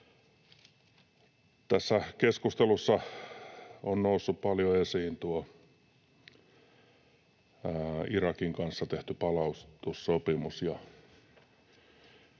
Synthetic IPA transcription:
t̪æsːækeskust̪elusːɑ | onnousːuppɑljoesiːnt̪uo | irɑkiŋkɑnsːɑt̪eht̪ypɑlɑust̪ussopimusjɑ

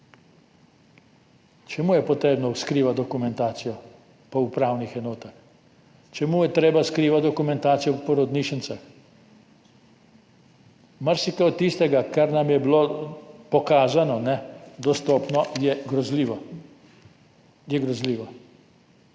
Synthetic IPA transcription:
t͡ʃɛmuːjɛpɔt̪ɾeːbnɔskɾiːʋat̪̚d̪ɔkumɛnt̪aːt̪sijɔ | pɔupɾaːwnixɛnɔːt̪ax | t͡ʃɛmujɛt̪ɾeːbaskɾiːʋat̪d̪ɔkumɛ̃nt̪aːt̪sijɔppɔɾɔd̪niːʃənt̪sax | maɾsikɛt̪ːist̪ɛɡakaɾnamjɛbilopɔkaːzanɔnɛd̪ɔst̪ɔːpnɔjɛɡɾɔzliːʋɔ | jɛɡɾɔzliːʋɔ

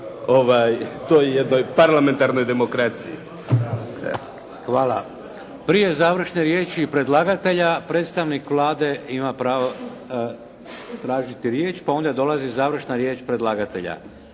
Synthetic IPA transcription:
oʋajt̪oːjejed̪nojpaɾlˠament̪aɾno̞jd̪emokɾat̪sijḭ | xʋaːla | pɾije̞zaːʋr̩ʃneɾje̞ːt͡ʃipɾe̞d̪lˠaːɡat̪e̞ʎapɾe̞ːt̪st̪aʋnikʋlˠaːd̪e̞imapɾaːʋo | t̪ɾaːʒit̪iɾje̞ːt͡ʃpao̞nd̪ad̪o̞lˠazizaːʋr̩ʃnaɾje̞ːt͡ʃpɾed̪lˠaːɡat̪e̞̰ʎa̰

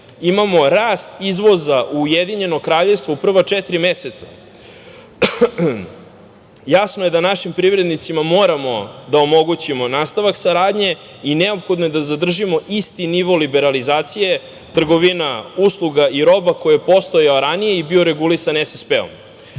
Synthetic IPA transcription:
imamo̞ɾaːst̪izʋo̞zaʔuːjed̪iɲe̞no̞kɾaːʎefst̪voupr̩ʋat͡ʂɛt̪ɾimeset̪sḁ | jasnoje̞d̪anaʃimpɾiʋɾe̞d̪nit̪simamo̞ːɾamo̞d̪aomo̞ɡut͡ɕimo̞naːst̪aʋaksaɾaːd̪ɲe̞ | ineopxo̞d̪noje̞d̪azad̪r̩ʒimo̞ʔist̪iniʋo̞libe̞ɾalizaːt̪sije̞ | t̪r̩ɡo̞ʋinauslˠuɡaʔiɾo̞bako̞jepo̞st̪ojaoɾanijeibioɾe̞ɡulisanesaspeo̰m

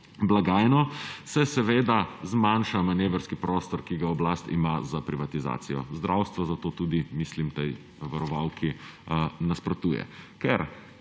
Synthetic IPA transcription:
blaɡaːjnɔsɛsɛʋeːd̪azmanʃamaneːʋəɾskipɾɔːst̪ɔɾkiɡaɔblast̪ḭmazapɾiʋat̪iza̰ːt̪sijɔ̰zd̪ɾʔawst̪ʋɔzat̪oːt̪uːd̪imislimt̪ɛj | ʋaɾɔʋawkʰi | naspɾɔt̪uːjɛ̰kɛɾ

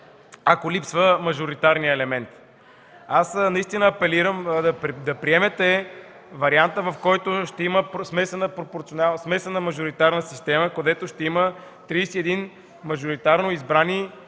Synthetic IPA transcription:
akolipsvəmɐʒoɾit̪aɾnijəɛlɛmɛnt̪ | asnɐist̪inəːpɛliɾəmd̪ɐd̪ɐpɾiɛmɛt̪ɛ | vɐɾiant̪əvɐfkɔjt̪oʃt̪ɛiməpsmɛsɛnəpɾopoɾt̪sionasmɛslɛnəmɐʒoɾit̪aɾnəsist̪ɛməkod̪ɛt̪oʃt̪ɛimə | t̪ɾijsiɛd̪in | mɐʒoɾit̪aɾnoizbɾani

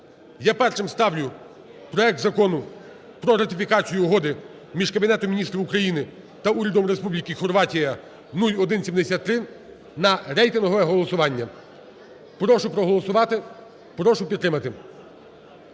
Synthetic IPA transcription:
japɛrʃɪmst̪ɑwjʲʊ | pɾɔɛk̚t̪zɐkɔnʊ | pɾɔɾɐt̪ʲɪfʲikɑt͡sʲijʊːɦɔd̪ɪ | mʲiʒkɐbʲinɛt̪ɔmʲinʲist̪ɾʲiʋʊkɾɐjinɪ | t̪ɐuɾʲɐd̪ɔmɾespublʲikɪxɔrʋɑtʲijɐ | nulʲɔd̪ɪnsʲimd̪esʲat̪ːɾɪ | nɐɾɛjt̪ɪnɦɔʋɛɦɔlˠɔsʊʋɑnʲːɐ | pɾɔʃʊpɾɔɦɔlˠɔsʊʋɑt̪ɪ | pɾɔʃʊpʲid̪t̪ːɾɪmɐt̪ɪ

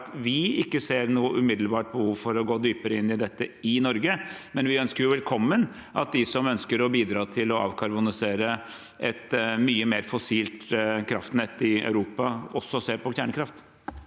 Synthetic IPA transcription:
t̪ʋɪɪkːəseːɾnuːəʔʉmɪd̪l̩bɑːʈ̚bəhuːʋfɔɾɔɡoːd̪yːpəɾəɪnːɪd̪ɛt̪ːəɪnɔɾɡəmɛnʋɪœnskəɾjʊʋɛlkʰɔmːən | ʔɑ̰t̪̚d̪ɪsɔmœnskəɾɔbiːd̪ɾɑːt̪ʰɪlɔɑ̰ːʋkʰɑɾbʊnɪseːɾə | ʔɛt̪myːəmeːɾfɔsiːlt̪kʰɾɑft̪nɛt̪ːɪɑ̰ʉɾuːpɑɔsːɔseːɾpʰɔçæːɳəkɾɑft̪

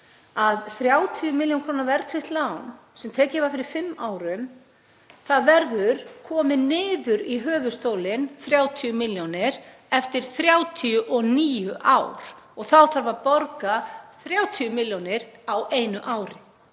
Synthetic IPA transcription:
aðθɾjaːwt̪ʰiʏmɪljownkʰɾoːwnavɛɾt̪ʰvɪht̪lawn | sɛmt̪ʰɛːcɪɛvaɾfɪɾɪɾ̥fɪmːaːwɾʏm | θaðvɛɾðʏɾ̥kʰɔːmɪnɪːðʏɾiɦœːvʏ̥st̪oːwlɪnθɾjaːwt̪ʰiʏmɪljownɪɾ̥ | ɛft̪ɪɾ̥θɾjaːwt̪ʰiʏʔɔniːjʏʔa̰wɾ̥ | ɔɣθawθaɾvaɾpɔɾkaθɾjaːwt̪ʰiʏmɪljownɪɾaweːjnʏʔaːwɾɪ

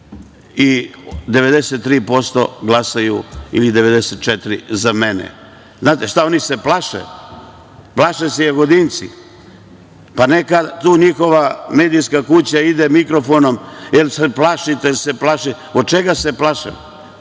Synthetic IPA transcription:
id̪eʋe̞d̪eset̪ːɾiːpo̞st̪o̰ɡlˠasajuḭlid̪e̞ʋe̞d̪eset̪̚t͡ʃet̪ɾḭzamenḛ | znaːt̪eʃt̪ao̞niseplˠaʃḛju | plˠaʃesejeɡo̞d̪int̪sḭ | panekat̪uːɲixo̞ʋameːd̪ijskakut͡ɕaid̪emikɾo̞fono̞mjelseplˠaʃit̪elseplaʃe | od̪̚t͡ʃeɡase̞plaʃa̰jṵ

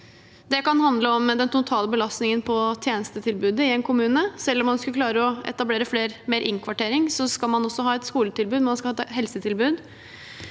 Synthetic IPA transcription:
d̪ɛkɑnhɑnd̪ləɔmːd̪ɛnt̪ʊt̪ʰɑːləbəlɑst̪nɪŋənpʰɔt̪ʰjeːnəst̪ət̪ʰɪlbʉːd̪əɪɛnkʰʊmʉːnəsɛlːɔmːɑnskʉkʰlɑːɾəɔɛ̰t̪ɑbleːɾəfleːɾmeːɾʔɪŋkʰʋɑʈeːɾɪŋsɔskɑlmɑnɔsːɔɦɑːɛt̪skuːlət̪ɪlbʉːd̪mɑnskɑhɑːhɛlsət̪ʰɪlbʉːd̪

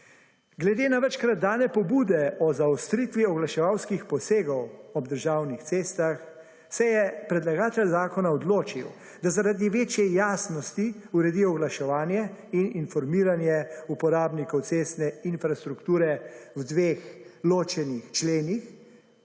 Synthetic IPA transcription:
ɡlɛd̪eːnaʋət͡ʃkɾad̪̚dːaːnɛpɔbuːd̪ɛɔzaɔst̪ɾit̪ʋiɔɡlaʃɛʋawskixpɔseːɡɔwɔb̚d̪əɾʒaːwnixt̪seːst̪ax | sɛjɛpɾɛd̪laɡaːt̪ɛlzaːkɔnaɔd̪loːt͡ʃḭw | d̪azaɾad̪iʋeːt͡ʃjɛjaːsnɔst̪iuɾɛd̪ijɔɡlaʃɛʋaːnjɛininfɔɾmiːɾanjɛupɔɾaːbnikɔwt̪seːst̪nɛinfɾast̪ɾukt̪uːɾɛwd̪ʋeːxloːt͡ʃɛnixt͡ʃleːnix

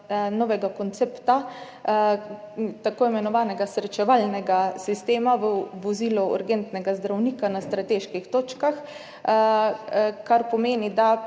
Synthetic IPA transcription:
nɔʋɛɡakont̪sept̪a | t̪akoːimɛnɔʋaːnɛɡasɾɛt͡ʃɛʋalnɛɡasist̪eːmaʋəʋɔziːlɔṵɾɡent̪nɛɡazd̪ɾawniːkanast̪ɾat̪eːʃkixt̪oːt͡ʃkax | kaɾpɔmeːnid̪a

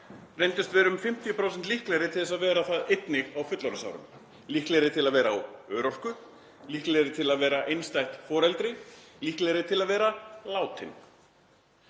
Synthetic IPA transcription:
rejnt̪ʏst̪vɛːɾʏmfɪm̥t̪ʰjpɾowsɛnt̪lihklɛɾɪt̪ʰɪlθɛsaðvɛːɾaθaðejt̪nɪɣawfʏt̪laɾʏsa̰wɾʏ̰m | lihklɛɾɪt̪ʰɪlaðvɛːɾaːwœːɾɔr̥kʏ | lihklɛɾɪt̪ʰɪlaðvɛːɾaʔejnst̪ajht̪fɔːɾɛlt̪ɾɪlihklɛɾɪt̪ʰɪlaðvɛːɾalaːwt̪ʰɪn

